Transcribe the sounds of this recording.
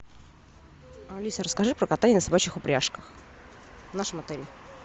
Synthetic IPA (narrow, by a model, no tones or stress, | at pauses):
ɐlʲisəɾəskɐʐɨpɾəkɐt̪anʲɪnəsabat͡ɕɪxʊpɾʲaʂkəx | vnaʂɨmɐt̪ɛlʲɪɪ